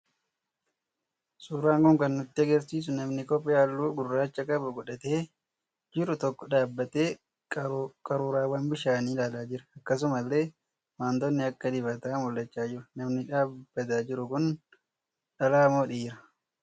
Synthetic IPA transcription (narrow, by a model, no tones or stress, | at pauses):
suːɾaːŋkʊŋkɐnːʊt̪ːɪɐɡɛɾsiːs̬ʊnɐmnɪkɔpʼːɛaːlːuːɡʊrːaːt͡ʃːɐkʼɐbɐɡɔᶑɐt̪e̞ː | d͡ʒɪɾʊt̪ɔkːɔᶑaːbːɐt̪eː | kʼɐɾuːɾaːwɐnbɪʃaːniːlaːlaːd͡ʒɪɾɐɐkːɐs̬ʊmɐlːe̞ː | maːnd̪ɔnːɪɐkːɐd̪ɪbɐt̪aːmʊlːɐt͡ʃːaːd͡ʒɪɾʊnɐmnɪᶑaːb̥ːɐt̪aːd͡ʒɪɾʊkʊn | ᶑɐlaːmo̞ːᶑiːɾɐ